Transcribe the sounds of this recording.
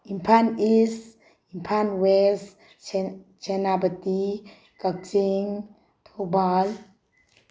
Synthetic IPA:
impʰanis | impʰanwɛs | t͡ʃɛnabət̪i | kək̚siŋ | t̪ʰobal

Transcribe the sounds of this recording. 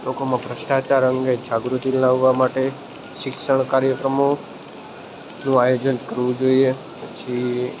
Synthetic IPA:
lokomãpɾəʃʈat͡ʃaɾəŋɡed͡ʒaɡɾut̪inlaʋʋamaʈe | ʃɪkʃəɳ̃kaɾjəkɾəmo | nũajod͡ʒənkəɾʋũd͡ʒoie | pət͡ʃʰi

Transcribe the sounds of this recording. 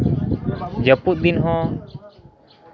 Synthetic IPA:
d͡ʒəput̪̚d̪inɦɔ̃

